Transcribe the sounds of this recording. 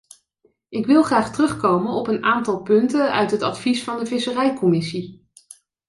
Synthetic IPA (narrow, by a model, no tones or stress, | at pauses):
ʔɪkʋɪlˠχraːχtərɵχkowmənɔpənaːntɑlˠpɵntənœ̰ɥtɦətɑtfisfɑndəvɪsərɛjkɔmɪsi